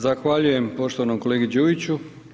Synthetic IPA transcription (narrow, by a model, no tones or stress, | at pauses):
zaxʋaʎuje̞mpo̞ʃt̪oʋanomko̞leɡid͡ʑuːit͡ɕu